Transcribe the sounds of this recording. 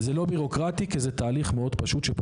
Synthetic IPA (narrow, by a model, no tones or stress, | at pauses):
zelo̞biʁo̞kʁat̪ikezɛt̪aːliχmeo̞d̪paʃut̪ʃep